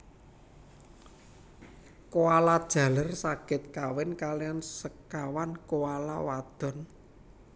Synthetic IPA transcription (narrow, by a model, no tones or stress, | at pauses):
kowalad̥ʒ̥a̤lərsaɡ̥ɪ̤t̪̚kawɪnkaliɔnsəkawankowala̰wad̪̥ɔ̤n